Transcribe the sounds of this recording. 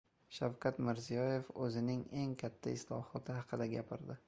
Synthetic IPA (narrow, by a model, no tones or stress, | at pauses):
ʃawkʰʲat̪mɪɾzijɒje̞fɵzɪnɪŋe̞ŋkʲʰat̪ʰːaɪslˠɒ̰hɒt̪ʰɪɦɑqʰɨd̪aɡʲapʰɪɾd̪ɪ